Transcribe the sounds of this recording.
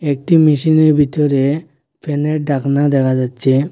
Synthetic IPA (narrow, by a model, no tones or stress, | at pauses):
ek̚ʈimiʃineɾbʱit̪ɔɾe | pʰeneʈ̚ɖaknad̪ɛkʰad͡ʒatːʃʰe